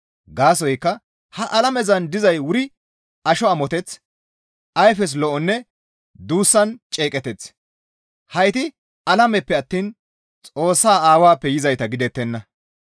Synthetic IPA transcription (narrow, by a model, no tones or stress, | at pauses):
ɡaːsɔjkːɐ | hɐʔɐlɐmɛzɐnd̪ɪzɐjwʊɾɪ | ɐʃɔɐmɔt̪ɛt͡s | ʔɐjfɛs̬lɔʔɔnːɛ | d̪uːsːɐnt͡ʃʼeːkʼɛt̪ɛt͡s | hɐjt̪ɪ | ʔɐlɐmɛpːɛɐt̪ːiːn | t͡sʼo̞ːsːaːaːwaːpːɛjɪzɐjt̪ɐɡɪd̪ɛt̪ːɛnːɐ